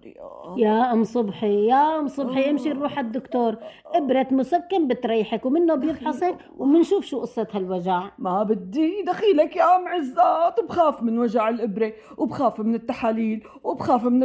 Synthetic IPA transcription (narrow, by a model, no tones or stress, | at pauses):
jaʔamsˤʊbħijaʔʊmsˤʊbħiʔɪmʃiɾˤuːħad̪ːʊkt̪oːɾˤ | ʔɪbɾat̪mʊsakːambɪt̪ɾiːħakwmɪnːobjɪbħɑsˤɪk | wmɪnʃuːfʃuːʔʊsˤːɑt̪halwaʒaʕmabɪd̪ːid̪axiːlakjamʕɪzːat̪wbxaːfmɪnwaʒaʕɪlʔɪbɾe | wɪbxaːfmɪnɪt̪ːaħaːliːl | wɪbxaːfmɪn